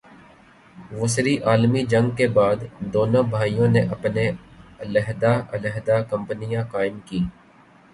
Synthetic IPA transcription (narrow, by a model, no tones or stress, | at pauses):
ʋʊsɾiʔaːlmid͡ʒə̃ŋɡ̚kebaːd̪d̪oːnõbʱaːijõneʔɐpneələɦd̪aʔələɦd̪akə̃mpnɪjãkaːɪmkiː